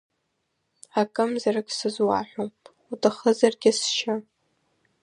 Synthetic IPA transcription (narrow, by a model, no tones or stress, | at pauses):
akʼɨmzarɨkʲʼsɨzwa̰ħʷᶣom | utʼaχəzarɡʲɪsʃa